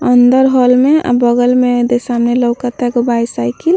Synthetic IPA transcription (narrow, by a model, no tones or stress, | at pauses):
ənd̪əɾɦɔlmea̰bəɡəlmed̪esamneləwkət̪ɛɡɔbajsajkil